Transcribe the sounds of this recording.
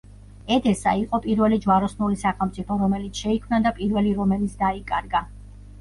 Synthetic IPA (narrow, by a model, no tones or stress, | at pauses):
ɛd̪ʰɛsa̰iqʼɔpʼiɾvɛlid͡ʒwaɾɔsnulisaχɛlˠmt̪sʼipʰɔɾɔmɛlit̪sʰʃɛikʰmnad̪apʼiɾvɛliɾɔmɛlit̪sʰd̪aikʼaɾɡa